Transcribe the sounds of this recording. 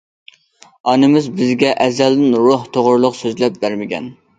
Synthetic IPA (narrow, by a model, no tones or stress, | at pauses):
ɑnɨmɪzbɪzɡʲɛʔɛzɛld̪ɪnɾuht̪ʰoʁɾlˠʊqsøzlɛp̚bæɾmɪkʲʰɛ̰n